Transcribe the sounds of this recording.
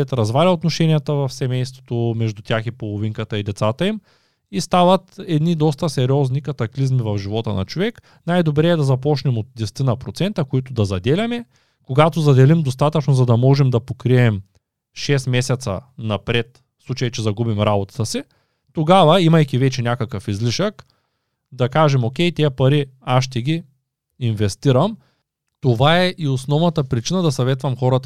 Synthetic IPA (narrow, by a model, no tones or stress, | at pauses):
ɛt̪ɾɐzvalʲɐot̪noʃɛnijət̪əvɐfsɛmɛjst̪vo̥t̪omɛʒd̪ut̪ʲaxipolˠoviŋkət̪əid̪ɛt̪sat̪ɐim | ist̪avɐt̪ɛd̪nid̪ɔst̪ɐsɛɾʲiɔznikɐt̪ɐklizmivɐfʒivɔt̪ənɐ̰t͡ʃovɛk | najd̪obɾɛːd̪ɐzɐp̬ɔt͡ʃnɛmot̪̚d̪ʲɛst̪inɐpɾot̪sɛnt̪ɐkoit̪ʊd̪ɐzɐd̪ɛlʲɐmɛ | koɡat̪ozɐd̪ɛlimd̪ost̪at̪ɐt͡ʃnozɐd̪ɐmɔʒɛmd̪ɐpokɾiɛm | ʃɛsmɛsʲɛt̪sɐ̰nɐpɾɛt̪ | fslˠut͡ʃɐjt͡ʃɛzɐɡubimɾabot̪ɐ̥t̪əsi | t̪oɡavɐimɐjkʲivɛt͡ʃɛnʲakɐkəfizliʃək | d̪ɐkaʒɛmokʲɛjt̪ʲiɐpɐɾiaʃt̪ɛɡʲi | invɛst̪iɾɐm | t̪ovaɛʔiosnɔvnɐt̪ɐpɾit͡ʃinɐd̪ɐsɐvɛt̪vɐmxɔɾɐt̪